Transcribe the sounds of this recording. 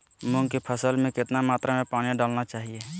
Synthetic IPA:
mʊ̃ŋkipʰəsəlmẽkɪt̪namaːt̪ɾamẽpaːniɖaːlnat͡ʃaːɦie

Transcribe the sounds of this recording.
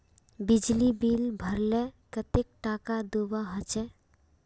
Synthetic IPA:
bid͡ʒlibilbʱəɾlɛkət̪ek̚ʈakad̪ubaɦət͡ʃɛ

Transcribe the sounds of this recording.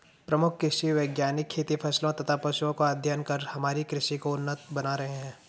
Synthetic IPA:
pɾɐmʊkʰkːɾɪʃiʋeːɡjaːnɪkʰːeːt̪ipʰɐslõt̪ɐt̪ʰapɐʃuõkoad̪ʱjənkɐɾhɐmaːɾikɾɪʃikoʊnːət̪̚bɐnaɾɐɦeɦɛ̃ː

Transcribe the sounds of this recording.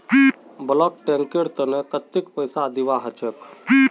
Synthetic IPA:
blɔk̚ʈẽŋkeɽt̪ənekət̪ːikpəjsad̪iʋaɦət͡ʃək

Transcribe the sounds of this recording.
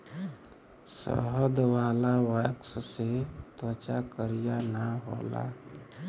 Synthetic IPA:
sə̰ɦəd̪ʋaːlawəksset̪ət͡ʃakəɾijanəɦo̰ːla̰

